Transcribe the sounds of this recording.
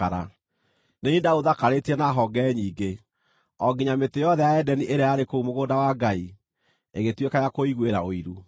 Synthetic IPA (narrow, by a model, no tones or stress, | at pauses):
aɾa | neindaoðakaɾetiɛnaɦɔɡɛːɲiːɡe | ɔɡiɲametejɔðɛjaɛdɛniʔeɾeaɾekoumoɣoːdawaɡai | eɣetwekajakoiɣweɾaoiɾu